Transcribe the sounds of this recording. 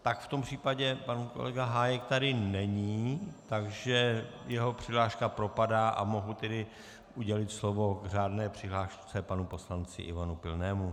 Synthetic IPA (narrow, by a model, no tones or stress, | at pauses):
t̪akft̪o̞mpr̝̥iːpaɟɛpanuko̰lɛ̰ɡaɦaːjɛkt̪adɪnɛɲiːt̪aɡʒɛjɛɦo̞pr̝̥ɪɦlaːʃkapɾo̞padaːʔa̰mo̞ɦut̪ɛdɪ | ʔuɟɛlɪt̪slo̞vo̞ɡr̝aːdnɛːpr̥ɪɦlaːʃt͡sɛpanupo̞slant͡sɪ̰ʔɪ̰vanupɪlnɛːmu